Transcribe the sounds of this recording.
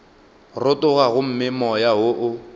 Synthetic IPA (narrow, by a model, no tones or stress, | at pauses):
rʊtʊɣaɣʊm̩mɪmɔjaɦoʔʊ